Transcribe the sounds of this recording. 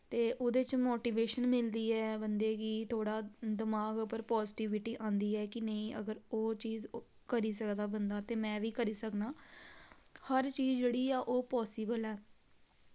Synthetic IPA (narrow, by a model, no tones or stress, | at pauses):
t̪eːʔod̪eːt͡ʃmoːʈiːʋeːʃənmɪld̪iːɛːbənd̪eːɡiːt̪ʰoːɽaːd̪əmaːɡʊpːəɾpɔːzɪʈiːʋɪʈiːʔãːnd̪iːɛːkɪneĩːʔə̰ɡəɾoːt͡ʃiːz | kəɾiːsəkd̪aːbənd̪aːt̪eːmɛ̃ːʋiːkəɾiːsəkd̪aː | həɾt͡ʃiːzd͡ʒeːɽiːɛːʔoːpɔːsibəlɛː